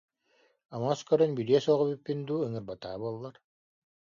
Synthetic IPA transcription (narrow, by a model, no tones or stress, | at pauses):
amɔskœɾœnbyɾiɛsɔʁɔbypːind̪uːɯŋɯɾbat̪a̰ːbuɔlˠːaɾ